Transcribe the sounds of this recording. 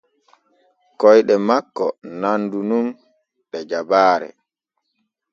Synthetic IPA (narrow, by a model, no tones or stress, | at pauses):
kɔjɗɛmakːɔ̰nandunum | ɗɛd͡ʒabaːɾɛ̰